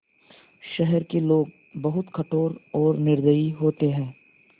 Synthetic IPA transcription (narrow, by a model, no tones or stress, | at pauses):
ʃɛɦɛɾkeloːɡ | bɐɦʊt̪kɐʈʰoːɾɔːɾnɪɾd̪əiɦoːt̪eɦɛ̃ː